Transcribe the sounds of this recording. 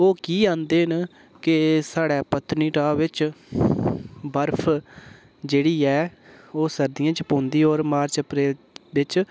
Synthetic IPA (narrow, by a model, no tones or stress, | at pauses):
oːkiːãːnd̪eːɦn | kɪsaːɽɛːpət̪ʰːniːʈaːʋɪt͡ʃ | bəɾpʰ | d͡ʒeːɽiːɛːoːsəɾd̪ɪjãːt͡ʃəpõːnd̪iːoːɾmaːɾt͡ʃəpɾeːl | ʋɪt͡ʃ